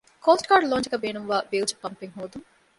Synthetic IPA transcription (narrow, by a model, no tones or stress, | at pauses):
koːsʈkaːɾɖloːnt͡ʃɐkɐbeːnumʋaːbiːlt͡ʃɐ̥pɐmpiŋɦoːd̪uŋ